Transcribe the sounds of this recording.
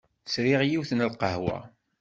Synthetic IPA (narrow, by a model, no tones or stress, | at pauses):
θsɾiʁjiwθnəlqəɦwæ̰